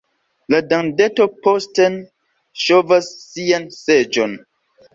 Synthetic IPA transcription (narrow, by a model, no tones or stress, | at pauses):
ladaŋdɛtopostɛn | ʃovasːiansed͡ʒɔn